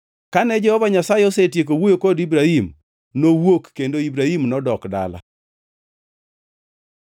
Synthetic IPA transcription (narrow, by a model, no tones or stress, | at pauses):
kanɛd͡ʒɛhɔvaɲasajeɔsetjek̬owojokodibɾahim | nowokːendoibɾahimnɔdɔkda̰la̰